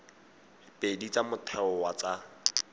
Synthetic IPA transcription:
pʼedit͡samʊtʰɛɔwat͡sa

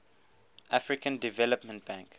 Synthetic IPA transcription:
ʔafɹikə̃ndivɛləpmə̃nt̚bãŋk

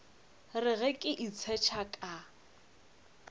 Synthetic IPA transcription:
rɪɣɛkʼɪʔit͡sʰɛt͡ʃʰakʼa

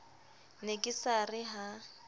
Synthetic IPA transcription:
nekʼɪsarɪɦa

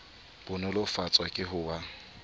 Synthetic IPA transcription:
b̥ʊnɔlʊfat͡sʼwakʼɪɦʊːwa

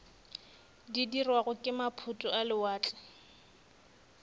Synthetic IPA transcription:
didirwaɣʊkʼɪmapʰutʼʊalɪwaːt͡ɬʼɪ̥

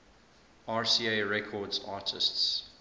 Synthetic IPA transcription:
aːɹsiːeɹɛkʰɔːdzaːtʰɪ̰sts

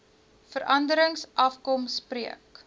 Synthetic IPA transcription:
fəɾʔɐndəɾəŋsʔɐfkɔmspriək

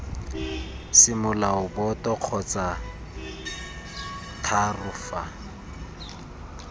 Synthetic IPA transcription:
sɪmʊlaʊbɔtɔq͡χʰɔt͡sʼa | tʰarʊfa

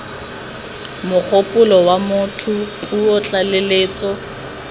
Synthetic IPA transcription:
mʊk͡xʰopʼʊlɔwamʊtʰʊuɔt͡ɬʼaleleːt͡sʼɔ

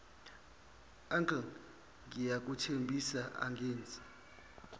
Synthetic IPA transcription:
aŋkʼa | ŋijak̬ʼutʰembʱisaʔa̰ŋɡeːnd͡zʱi̥

